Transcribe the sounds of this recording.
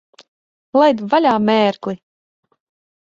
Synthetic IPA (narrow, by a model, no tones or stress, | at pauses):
lˠajd̪valʲaːmʲɛːɾklˠi